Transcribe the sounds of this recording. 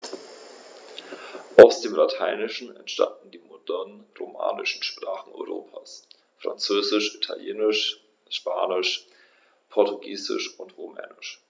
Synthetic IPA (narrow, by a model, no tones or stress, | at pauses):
ʔaʊsd̥eːmlatʰaɪnɪʃn̩ɛntʃta̰ndn̩diːmodɛɐnʁoma̰ːnɪʃn̩ʃpʁ̥aːχn̩ɔ̰ʏʁoːpʰaːs | fʁ̥a̰nt͡søːzɪʃʔitʰaljeːnɪʃ | ʃpaːnɪʃ | pʰɔɐtuɡiːzɪ̰ʃʊntʁomɛ̰ːnɪʃ